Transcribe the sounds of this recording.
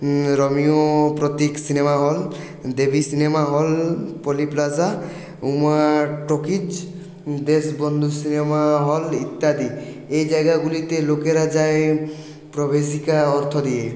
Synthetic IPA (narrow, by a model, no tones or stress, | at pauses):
ɾɔmiopɾɔt̪iksinemaɦɔl | d̪ebʱisinemaɦɔlpoliplaza | umaʈokid͡ʑ | d̪esbɔnd̪ʱusinemaɦɔlit̪ːad̪iejd͡ʒaeɡaɡulit̪elokeɾad͡ʒae | pɾobesikaɔɾt̪ʰod̪ije